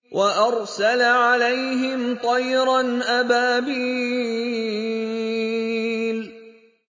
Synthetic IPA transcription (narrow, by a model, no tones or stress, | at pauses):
wʔaʔɑɾˤsalaʕalajɦɪmt̪ˤɑjɾɑnʔabaːbiː | l